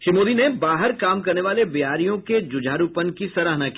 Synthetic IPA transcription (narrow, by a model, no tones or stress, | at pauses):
ʃɾɪmoːd̪inebaːɦəɾkaːmkɐɾneʋaːlebɪɦaːɾijõked͡ʒʊd͡ʒʱaːɾupənkisɐɾaːɦnaki̥